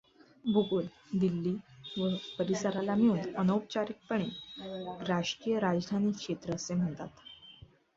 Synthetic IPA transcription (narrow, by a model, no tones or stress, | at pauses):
bʱuɡul | d̪ilːiːʋəpəɾisəɾalamiuːnənəwp̚t͡ɕaɾik̚pəɳ̃e | ɾaʂkiːjəɾad͡ʑd̪ʱaniːkʂet̪ɾəsem̤əɳt̪at̪